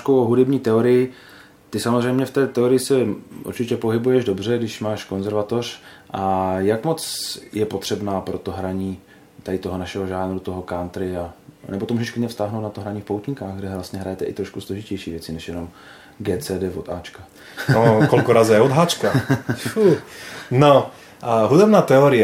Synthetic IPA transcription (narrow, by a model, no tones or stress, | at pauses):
kowoɦudɛbɲiːt̪ɛoɾɪjɪ | t̪ɪsamozr̝ɛjmɲɛft̪ɛːt̪ɛoɾɪjɪsɛʔṵɾt͡ʃɪcɛpo̞ɦɪbujɛʒdo̞br̝ɛɡdɪʃmaːʃkonzɛɾvat̪o̞r̝̥ʔajakmo̞t͡sjɛpo̞t̪r̥ɛbnaːpɾot̪o̞ɦɾaɲiː | t̪adɪt̪o̞ɦonaʃɛɦoʒaːnɾut̪oɦo̞kaːnt̪ɾɪanɛbot̪omuːʒɛʃklɪɲɛfst̪aɦnowt̪nat̪oɦɾaɲiːfpowt̪ɲɪkaːɣɡdɛvlast̪ɲɛɦɾajɛt̪ɛʔɪt̪ɾoʃkusloʒɪcɛjʃiːvjɛt͡sɪnɛʃjɛno̞m | ɡɛːt͡sɛːdɛːvot̪aːt͡ʃka | okolkoɾazɛjɛod̪ɦaːt͡ʃkafu | no | ʔaɦud̪ɛbnaːt̪ɛoɾɪɛ